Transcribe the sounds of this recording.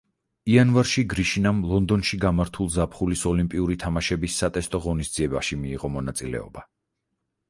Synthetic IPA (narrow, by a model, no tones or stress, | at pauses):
ianvaɾʃiɡɾiʃinamlˠɔnd̪ɔnʃiɡamaɾt̪ʰulˠzapχulisɔlimpʼiuɾit̪ʰamaʃɛbisːat̪ʼɛst̪ʼɔʁɔnisd̪z̥iɛbaʃimiːʁɔmɔnat̪sʼilɛ̰ɔ̰ba